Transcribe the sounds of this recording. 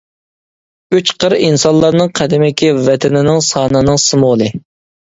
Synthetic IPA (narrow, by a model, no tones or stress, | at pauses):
yt͡ʃqʰəɾinsɑllˠːɑɾnɨŋqʰæd̪ɪmɪkʲivɛt̪ʰɛnɪnɪŋsɑːnɨnɨŋsɨmolˠɨ